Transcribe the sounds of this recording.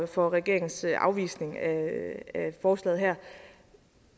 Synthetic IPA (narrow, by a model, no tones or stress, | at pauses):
fɒ̽ʁɛɡ̥e̝ɐ̰e̝ŋn̩sʔɑ̈ʊʋḭːsne̝ŋææfɒːslɛ̰ːð̩ˠɦæɐ̰